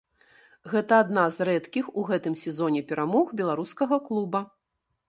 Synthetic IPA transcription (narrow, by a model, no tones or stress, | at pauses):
ɣɛt̪ɐːd̪nazɾɛt̪kʲixuɣɛt̪ɨmsʲɛzɔnʲɛpʲɛɾamɔxbʲɛlˠaɾuskɐɣɐklˠubɐ